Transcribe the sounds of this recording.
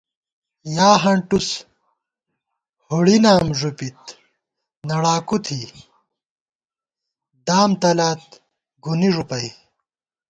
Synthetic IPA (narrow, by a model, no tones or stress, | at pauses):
jaːɦɐɳʈus | huɽinaːmʐupit̪ | nɐɽaːkut̪ʰi | d̪aːmt̪ɐlaːt̪̚ | ɡuniʐupɐi